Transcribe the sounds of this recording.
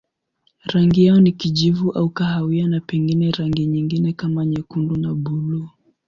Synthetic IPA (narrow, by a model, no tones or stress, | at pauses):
ɾaŋɡijaɔnikiʄivuʔaukahawianapɛŋɡinɛɾaŋɡiɲiŋɡinɛkamaɲɛkundunabulu